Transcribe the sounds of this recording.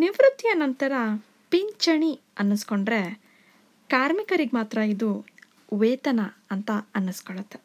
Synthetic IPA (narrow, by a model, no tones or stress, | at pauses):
niʋɾut̪ːjɐnɐnt̪ɐɾɐ | piɲt͡ʃɐɳiɐnːusko̞ɳɖɾe̞ | kaːɾmikɐɾiɡemaːt̪ɾɐid̪u | ʋeːt̪ɐnɐɐnt̪ɐɐnːuskoɭɐt̪ːe